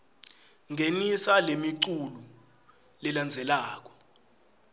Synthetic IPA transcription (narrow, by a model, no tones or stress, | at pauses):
ŋʱenisalemiǀulu | lɛland͡zʱɛlaːk̬ɔ̥